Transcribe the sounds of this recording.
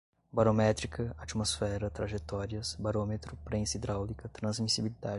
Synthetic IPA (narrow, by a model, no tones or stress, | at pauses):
baɾomɛt̪ɾikʰɐat͡ʃimosfɛɾɐt̪ɾaʒet̪ɔɾiɐsbaɾõmet̪ɾʊpɾẽsid̪ɾawlikɐt̪ɾɐ̃zmisibilid̪ad͡ʒ